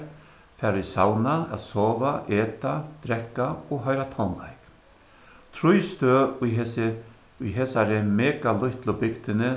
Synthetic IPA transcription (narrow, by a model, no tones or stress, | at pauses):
fɛːɾisawnaa̰ðsɔːvaʔɛːt̪at̪ɾɛhkːaɔɣɦœɥɾat̪ʰɔwnla̰jk | t̪ʰɾʊjst̪øː | ʊjɦɛːsaɾɪmɛːkalʊht̪lʊbɪkt̪ɪnɪ